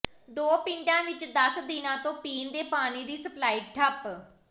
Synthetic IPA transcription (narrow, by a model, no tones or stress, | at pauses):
d̪oːpɪ̃ɳɖãːʋɪt͡ʃd̪əsd̪ɪnãːt̪õːpiːnd̪eːpaːniːd̪iːsəplaːiːʈʰəp